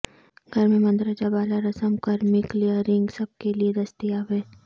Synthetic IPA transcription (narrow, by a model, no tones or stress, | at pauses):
ɡʱɐɾmẽmɐ̃nd̪ɾəd͡ʒabaːlaɾɐsəmkɐɾmɪklijəɾɪ̃ŋɡsɐb̚kelied̪ɐst̪iaːbeː